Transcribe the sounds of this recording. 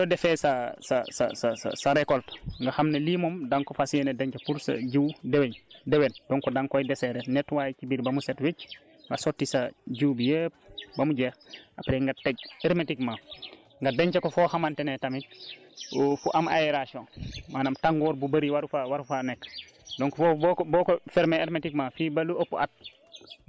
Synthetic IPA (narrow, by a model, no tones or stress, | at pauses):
dɔdɛfɛsasasa̰sasa̰saɾɛkɔltŋɡaxamnelimɔmdaŋkɔfasienedeɲt͡ʃɐpuɾsa̰ɟiwdeweɲdewend̥ɔŋkɔdaŋkɔjdɛsɛɾɛnɛtwaːjt͡ʃibiɾbɐmusɛtwic | ŋɡasɔtːisaɟuwbijep̚bamuɟɛːxapɾeŋɡatːeɡ̚eɾmetikma | ŋɡadeɲt͡ʃakofɔhamantenetamit̚ | fuʔama̰jeɾaʃonmaːnamtaŋɡɔːɾbubaɾiwaɾufawaɾufanɛkː | dɔŋkfbɔkbɔkofɛɾmeeɾmetikmafibaluopːuʔa̰t̚